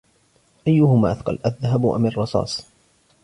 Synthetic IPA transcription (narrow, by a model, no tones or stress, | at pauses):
ʔajːʊɦʊmaːʔaθqɑ̰lʔaðːaɦabʔa̰mɪrˤːɑsˤɑ̰ːsˤ